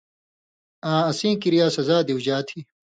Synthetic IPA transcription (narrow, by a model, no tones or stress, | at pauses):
ãːɐsĩːkiɾijaːsɐzaːd̪iwd͡ʑaːt̪ʰi